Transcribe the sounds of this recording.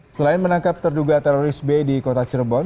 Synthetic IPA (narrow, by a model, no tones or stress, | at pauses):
səlaɪnmənaŋkap̚t̪ərduɡat̪ɛɾoɾɪsbedikot̪at͡ʃərbɔn